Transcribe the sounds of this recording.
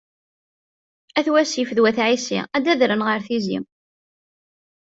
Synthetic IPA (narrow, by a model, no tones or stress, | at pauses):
æθwæsifəðwæθʕisḭæd̪æðɾənʁəɾθizḭm